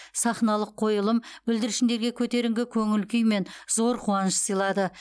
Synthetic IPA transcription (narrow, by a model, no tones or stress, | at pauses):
sɑχnɑlˠəqʰːo̞jəlˠəmbɪld̪ɪɾɪʃɪnd̪e̞ɾɡʲe̞kʲʰɵt̪e̞ɾɪŋɡʲɪkʲʰɵŋɪlkʲʏjme̞nzo̞ɾqʰuɑnəʃsijlˠɑd̪ə